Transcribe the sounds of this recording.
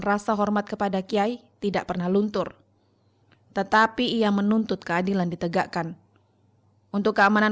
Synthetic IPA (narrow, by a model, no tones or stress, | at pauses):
nrasaɦɔrmat̪̚kəpadakiait̪idaʔpərnahlunt̪ʊr | t̪ət̪apiːamənunt̪ʊt̪̚kəadilandit̪əɡaʔkan | ʔunt̪ʊkːəamana